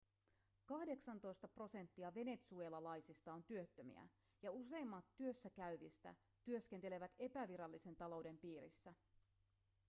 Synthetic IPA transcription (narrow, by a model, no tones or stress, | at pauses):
kɑhde̞ksɑnt̪o̞jst̪ɑpro̞se̞nt̪ːiɑʋe̞ne̞t̪sue̞ːlɑlɑjsist̪ɑont̪yø̞t̪ːømḭæ̰ | jɑuse̞jmːɑt̪ːyø̞sːækæyʋist̪æ̰ | t̪yø̞ske̞nt̪e̞le̞ʋæt̪e̞pæʋiɾɑlːise̞nt̪ɑlo̞wde̞mpiːɾḭsːæ